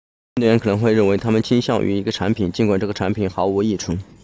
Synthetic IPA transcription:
ɥɛ˧˥nkʰɤ˨˩nɤ˧˥ŋxwe˥˧ɪɻə˥˩nwe˧˥ɪt̪ʰa˥mə˨nt͡ɕʰi˥nɕjɑ˥˧˩ŋʔy̰˧˥i˧˥ɡə˧ʈ͡ʂʰa˧˥npʰi˨˩nt͡ɕi˥nkwa˨˩nʈ͡ʂɤ˥˩ɡə˩ʈ͡ʂʰa˧˥npʰi˨˩nxɑ˧˥ʊu˧˥i˥˩ʈ͡ʂʰɤ˧˥ŋ

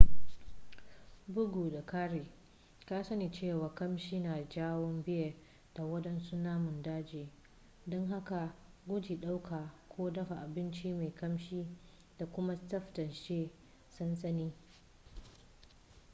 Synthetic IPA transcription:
bʊ˦ɡuː˨da˨kaː˦ɾeː˨ | kaː˦sɐ˦ni˨t͡ʃeː˦˨waː˨kɐ˦mʃiː˦naː˨d͡ʒaː˦wɔ˦mbɪ˦ja˨ | d̥a˨wɐ˦ɗɛ˦nsu˦naː˦mʊ˨ndaː˦d͡ʒeː˨ | dɔ˦ŋɦa˦ka˨ɡʷʊ˦d͡ʒiː˨ɗa˦wkʰaː˨kʷʰoː˦dɐ˦ɸa˨ʔa˨bɪ˦nt͡ʃi˦ma˨jkɐ˦mʃiː˦ | d̥a˨kʷʊ˦ma˦tɐ˦ɸtɐ˨nʃeː˦ | sɐ˦nsɐ˦niː˦

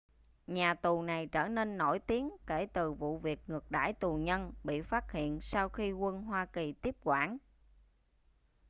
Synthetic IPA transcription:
ɲaː˨˩t̪u˨˩na˨˩jt͡ɕəː˧˩ne˧nːo˧˩jt̪i˨˦əŋke˧˩t̪ɨ˨˩vṵ˧˨vi˨˩ək̚ŋɨ˨˩ək̚ɗa̰ː˧˥jt̪u˨˩ɲə˧nɓḭ˧˨faː˦˥t̚hḭ˧˨ənsa˧wxi˧kwə˧nɦwaː˧ki˨˩t̪i˦˥əp̚kwaː˧˩n

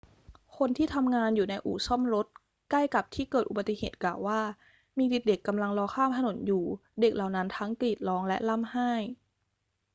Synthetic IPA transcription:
kʰo˧nt̪ʰiː˥˩t̪ʰa˧mŋaː˧njuː˨˩na˧jʔṵː˨˩sɔ˥˩mɾo˦˥t̪̚ | kla˥˩jka˨˩p̚t̪ʰiː˥˩kɤː˨˩t̪ʔu˨ba˨˩t̪ːi˨heː˨˩t̪̚klaː˨˩wːaː˥˩ | miː˧di˨˩t̪̚de˨˩kːa˧mla˧ŋlɔː˧kʰaː˥˩mt̪ʰa˧no˩˦njuː˨˩de˨˩k̚la˨˩wna˦˥nt̪ʰa˦˥ŋkliː˨˩t̪̚lɔː˦˥ŋlɛ˦˥ʔla˥˩mhaː˥˩j

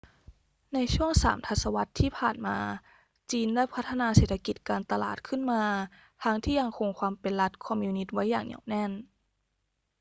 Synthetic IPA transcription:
na˧jt͡ɕʰu˥˩əŋsa̰ː˩˦mt̪ʰa˧˥t̪̚sa˧wa˦˥t̪ʰːiː˥˩pʰaː˨˩nmaː˧ | t͡ɕiː˧ndaː˥˩jpʰa˦˥t̪ʰːa˧naː˧seː˨˩t̪ʰːa˧ki˨˩t̪̚kaː˧nt̪a˧la̰ː˨˩t̪̚kʰɯ˥˩nmaː˧ | t̪ʰa˦˥ŋt̪ʰiː˥˩ja˧ŋkʰo˧ŋkʰwaː˧mpe˧nla˦˥t̪̚kʰɔ˧mjuː˧ni˦˥t̪̚wa˦˥jːa̰ː˨˩ŋɲḭ˨˩wnɛ˥˩n

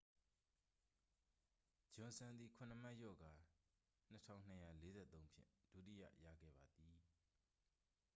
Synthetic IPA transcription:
d͡ʑʊ̃˨nsã˨nd̪ði˨kʰʊ̃˨nə˨m̥a˦˨jɔ̰˦˨ɡa˨ | n̥ətʰã̰˦˨ʊ̃n̥əja˦˨le˦zɛ̰˦˨t̪õ˦ʊ̃mpʰjɪ̰̃˦˨d̥ṵ˦˨tḭ˦˨jä̰˦˨ja̰˦˨ɡɛ̰˦˨ba˨d̪i˨

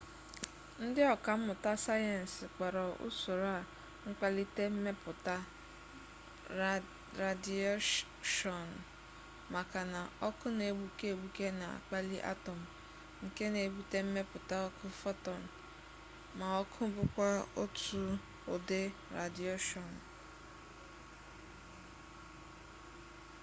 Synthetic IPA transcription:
n̩˦dɪ˦ɔ˨ka˨m̩˦mʊ˨ta˦sa˦ja˨n̩˨sɪ˨k͡pa˨ɾɔ˨ṵ˦so˨ɾa˦˨ | ŋ̩˦k͡pa˦li˦te˦m̩˦me˦pʊ˨ta˦ | ɾa˨di˦ | ʃɔ˨n̩˨ | ma˨ka˨na˨ɔ˦kʊ˦ne˨ɡ͡bu˦ke˦˨ɡ͡bu˦ke˦na̰˨a̰˨k͡pa˦li˦ʔa̰˦tɔ˨m̩˨ | ŋ̩˨ke˦ne˨bu˦te˦m̩˦me˦pʊ˨ta˦ɔ˦kʰʊ˦fɔ˦tɔ˨n̩˨ | ma˨ɔ˦kʰʊ˦bʊ˦kʷa˦o˦tu˨ | ʊ˨dɪ˦ɾa̰˨di˦ɔ˦ʃɔ˨n˨

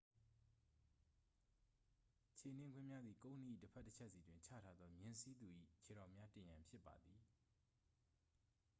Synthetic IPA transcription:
t͡ɕʰe˨n̥ɪ̃˦ŋɡwɪ̃˦˨mja˦d̪ði˨kõ˦ʊ̃ni˦˨ḭ˦˨təpʰɛ˦ʔtːə˦t͡ɕʰɛ˦ʔsi˨dwɪ̃˨ɲt͡ɕʰä̰˦˨tʰa˦d̪ðɔ˦mjɪ̃˦si˦d̪u˨ʔḭ˦˨t͡ɕʰe˨ɾã˨ʊ̃mja˦tɪ̃˨jã˨mpʰjɪ˦pːa̰˨d̪ði˨

